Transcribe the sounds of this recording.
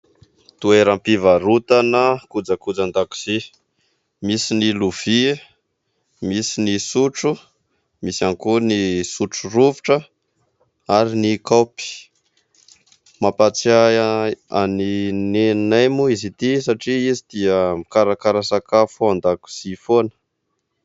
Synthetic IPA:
t̪ueɾampivaɾut̪anəkud͡zakud͡zand̪aku̥z̥i | misiniluv̥i | misinisuʈ͡ʂu | misanikunisuʈ͡ʂuɾuvi̥ʈ͡ʂə | aɾinikopi̥ | mapat͡sa | a̰ninenajmuizit̪isaʈ͡ʂiizid̪̥iəmikaɾakaɾasakafand̪aku̥z̥ifonə̥

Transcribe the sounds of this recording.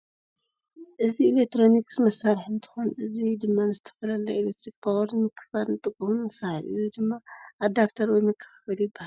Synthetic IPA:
ʔɨziːlek̚t̪ʰɾo̞nikʼsmɐsːaɾħɨnt̪ʰɨ̥xonʔɨzid̪ɨmːanɨzɨt̪ʰɐ̥fɐlɐlɐilek̚t̪ʰɾik̚pʰawɐɾnmɨkʰːɐ̥falnɨt̪ʼɨkʼːɐmunmɐsahɐ̰lʔɨzid̪ɨmːaʔːd̪ap̚t̪ʰɐɾwɔjmɐkʰːɐ̥fafɐljɪbːahal

